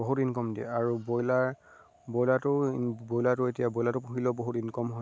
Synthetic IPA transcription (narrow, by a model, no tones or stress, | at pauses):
ɔɦutinkɔmdiɛ̰aɹubojlaɹ | bɔjlatʊbojlatʊetijabɔjlatʊpuxilɔboɦutinkɔmɦɔ